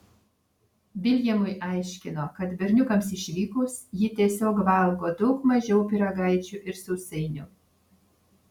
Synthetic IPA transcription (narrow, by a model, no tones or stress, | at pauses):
bʲɪlʲjɛmʊjʔɐɪʃʲkʲɪnoːkɐt̪bʲɛɾʲnʲʊkɐmsɪʃʲʋʲiːkʊsjɪt̪ʲiɛsʲoːkʋɐˑlˠɡoːd̪ɔʊkmɐʒʲɛʊpʲɪɾɐɡɐɪt͡ʃʲuʔɪɾsʊsʲɛɪnʲʊ